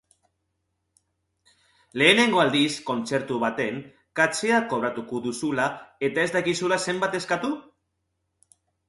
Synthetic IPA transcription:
leeneŋɡwald̪iskont͡seɾt̪uβat̪eŋ | kat͡ʃeakoβ̞ɾat̪ukud̪usulaet̪ezd̪akisulasembat̪eskat̪u

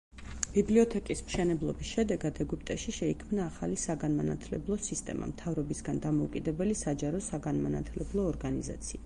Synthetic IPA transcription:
b̥ibliɔt̪ʰɛkʼismʃɛnɛblˠɔbisʃɛd̪ɛɡad̪ɛɡup̚ʼt̪ʼɛʃiʃɛikʰmnaːχalisaɡanmana̰t̪ʰlɛ̰blˠɔsist̪ʼɛ̰ma̰mt̪ʰavɾɔbisɡand̪amɔukʼid̪ɛbɛlisad͡ʒaɾɔsaɡanmana̰t̪ʰlɛblˠɔːɾɡaniza̰t̪sʰia

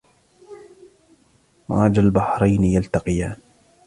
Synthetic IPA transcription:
maːd͡ʒalbaħɾˤajnjalt̪aqɪjaːn

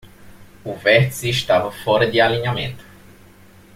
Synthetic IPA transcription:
uvet̪siʃt̪avəfoɾəd̪ealinjament̪

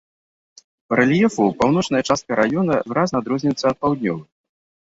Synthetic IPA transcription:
pɐɾɐlʲijɛfupawnɔt͡ʂnɐjɐt͡ʂast̪̚kɐɾʔajɔnɐvɨɾaznad̪ɾɔzʲnʲɛt̪sːɐt̪̚pawd̪ʲnʲɔvɨ

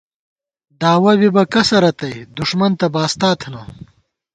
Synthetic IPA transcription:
d̪aːwɐbibɐkɐsɐɾɐt̪ɐjd̪uʂmɐnt̪ɐbaːst̪aːt̪ʰna

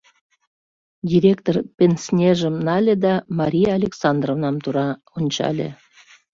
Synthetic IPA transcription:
dʲiɾʲek̚t̪orpʲensnʲeʒəmnɑlʲed̪ɑmɑɾʲijɑːlʲeksɑnd̪rovnɑmt̪uɾɑ | onʲt͡ɕɑ̰lʲḛ

